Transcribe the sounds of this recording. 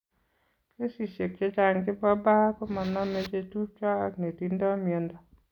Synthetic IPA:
ke˦si˨ʃe˨kt͡ʃe˦t͡ʃa˨ŋɡɪ˦bɔ˦ba˦kɔ˦ma˨nɔ˦me˦t͡ʃe˦tu˦t͡ʃɔ˦kne˨ti˦ndɔ˦mi˨e˨ndɔ˦

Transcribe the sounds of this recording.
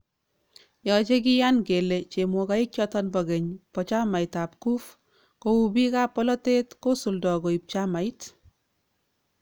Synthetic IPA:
jɔ˨t͡ʃe˦ki˦ja˦nɡe˨le˨t͡ʃe˨mo˨ka˨i˦kt͡ʃɔ˦tɔ˦nbɔ˨ɡe˨ɲpɔ˨t͡ʃa˦ma˨ɪtap̚ku˦f | ko˨u˨bi˦ka˦pɔ˦lɔ˦te˦tko˦su˨ldɔ˨ɡo˨i˨p̚t͡ʃa˦ma˨it

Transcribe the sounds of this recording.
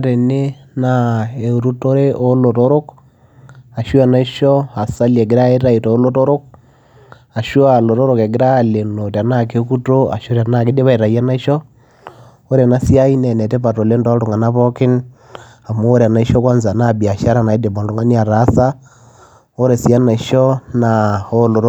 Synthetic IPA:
aɾe˨ne˦ | na˦e˨u˨ɾu˦to˦ɾe˦ʔo˦lo˨to˦ɾo˦k | a˨ʃwa˦na˦ʃɔ˦a˨sa˦lie˨ɡɪ˦ɾa˦e˦ɾa˦i˨toː˨˦lo˦to˦ɾo˦k̚ | a˨ʃo˦a˨lo˨to˦ɾo˨ke˨ɡɪ˦ɾa˦le˨no˨ta˨na˦ke˦ku˦to˦a̰˨ʃo˦ɾja˨na˦kɪ˦de˦βa˦i˨ɾa˨ja˦na˦i˦ʃɔ˦ | o˦ɾe˨na˦si˦a˦i˦nɛ˨nɛ˨te˦pa˨to˨le˦ndɔ˦to˨ŋa˨na˦βɔ˦kɪ˦n | a˨moː˦ɾa˨na˨˦i˦ʃɔ˦kɔ˦nza˨na˦bi˨a˨ʃa˦ɾa˦˨na˨i˦de˨ba˨do˨ŋa˦ni˦a˨ɾa˦sa˦ | o˦ɾe˨sja˦na˨ʃɔ˦na˨o˦lo˨ɾ

